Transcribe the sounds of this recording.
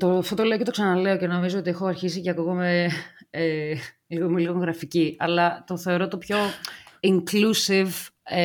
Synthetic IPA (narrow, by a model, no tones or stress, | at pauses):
t̪oft̪o̞t̪o̞le̞ocet̪osɐnɐle̞oce̞no̞mizoot̪̬iexo̞ɐɾçis̬iceɐkuɣomee | liɣomeliɣoŋɣɾɐficiɐlɐt̪o̞θe̞oɾo̞t̪o̞pço̞iŋklusiv